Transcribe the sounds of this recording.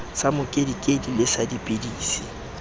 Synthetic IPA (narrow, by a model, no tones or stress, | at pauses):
samʊkʼedikʼedilɪsadipʼɪdiːsi